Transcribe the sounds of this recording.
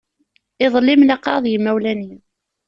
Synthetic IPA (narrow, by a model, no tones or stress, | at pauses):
ɪðˤəlːɪmlɑqːɑðˤjəmːæwlæni